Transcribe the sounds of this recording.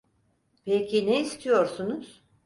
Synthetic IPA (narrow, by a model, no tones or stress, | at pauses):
pʰecʰineist̪ʰijo̞ɾsunuz̥